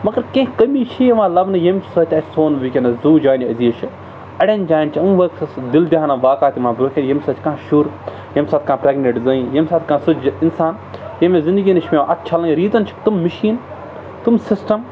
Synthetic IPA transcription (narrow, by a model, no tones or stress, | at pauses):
mɐɡɐɾkẽːɦkɐmiːt͡ʃʰijeʋãːlɐbnɐjemʲsɐt̪ʲɐtsoːnʋikʲenɐzuːd͡ʒaːnʲiɐziːɐt͡ʃʰi | ɐɽʲenʲd͡ʒaːnt͡ʃʰiɐnʋɐksɐsd̪ild̪iɦaːnɐʋaːkaːt̪imãːbɾoːkʰʲenjɐmʲsɐt̪ʲkãːʃuɾ | jɐmʲsaːt̪̚ʲkãːpɾeːɡneʈzɐːĩjɐmʲsaːt̪kãːsud͡ʒɐinsaːn | jemʲezind̪ɨɡiːnɐt͡ʃʰmʲẽʔɐt̪̚ʰt͡ʃʰɐlɐ̃ŋʲɾiːt̪ɐnt͡ʃʰi̥kt̪umːɐʃiːn | t̪umsɪsʈɐm